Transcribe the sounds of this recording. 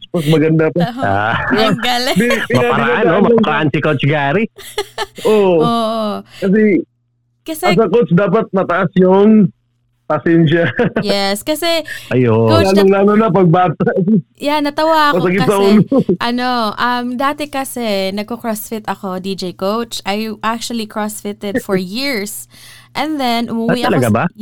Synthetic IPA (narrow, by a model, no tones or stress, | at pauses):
pɐsmɐɡɐnd̪apɐa̰ɡɐlbɪɪmɐaɐɾaʔaanʔomɐɾaʔansɪkot͡ʃɡaːɾi | ʔoʔoʔkɐs̬ɛ | kɐsɛɐs̬ɐkosd̪aːpɐt̪̚mɐt̪ɐʔasjʊŋ | pɐsɛnʃɐjɛskɐsɛʔɐjokowaːloŋlaːnonɐp̬ɐɡ̚baːt̪aʔsjanːɐt̪ɐwaʔɐmɐɐɡɪt̪sɐʔuːloʔɐnoʔɐmd̪aːt̪ɛkɐsɛnɐɡ̚kokɹɔsfɪt̪ɐko̞d̪id͡ʒejkowt͡ʃʔɐjʔak̚t͡ʃuɐlikɹɔsfɪt̪ɛd̪fɔɹjiɹs | ʔɛ̃nðɛnʔʊmʊwiɐlɐɡaba